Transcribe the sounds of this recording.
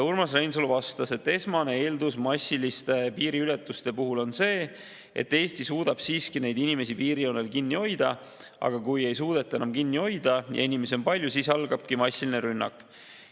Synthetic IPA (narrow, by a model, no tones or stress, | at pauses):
urmɑsrejns̬uluvɑst̪ɑse̞t̪ːe̞smɑne̞e̞ːld̪usmɑsʲːilist̪e̞piːɾiylet̪ːˑust̪e̞puɦulo̞nse̞ː | e̞̰t̪ːe̞ːst̪isuːd̪̥ɑb̥siːskine̞jd̪inime̞sipiːɾiowne̞lkinːio̞jd̪̥ɑ | ɑ̰ɡ̥ɑkuje̞jsuːd̪̥e̞t̪ːˑɑenɑmkinːio̞jd̪̥ɑjɑ̰inime̞seo̞npɑlʲjusiːsɑlɡ̥ɑb̥̚kimɑsʲːiline̞ɾynːɑ̰kːˑ